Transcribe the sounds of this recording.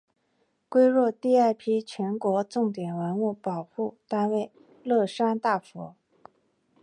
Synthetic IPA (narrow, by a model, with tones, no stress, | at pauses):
kwe˥ɪɻwɔ˥˧t̪i˥˧a˥˩ɪpʰi˥t͡ɕʰɥɛ˧˥nkwɔ˧˥ʈ͡ʂʊ˥˩ŋt̪jɛ˨˩nwə˧˥nu˥˩pɑ˨˩ʊpu˥˩t̪a˥nwe˥˩ɪ | lɤ˥˩ʂa˥nt̪a˥˩fɔ̰˧˥